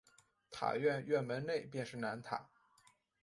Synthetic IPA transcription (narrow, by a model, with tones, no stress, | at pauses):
t̪ʰa̰˨˩ɥɛ˥˧nɥɛ˥˩nmə˧˥nle˥˧ɪpjɛ˥˧nʂɻ̩˥˩na˧˥nt̪ʰa̰˨˩˦